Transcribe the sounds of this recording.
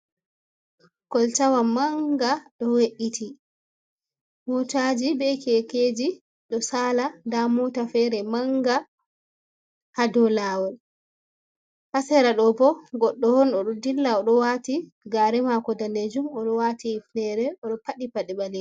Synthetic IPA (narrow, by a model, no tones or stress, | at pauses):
kɔltawamaŋɡaɗɔweʔitʰi | mɔtad͡ʒibɛkɛked͡ʒi | ɗɔsaːladamɔtafɛɾɛmaŋɡa | hadɔlawɔl | hasɛɾaɗɔbɔɡɔɗːɔhɔnɗɔɗɔdilːaɔɗɔwati | ɡaɾɛmakɔdanded͡ʒumɔɗɔwatiːfnɛɾɛɔɗɔpaɗipaɗɛɓalɛ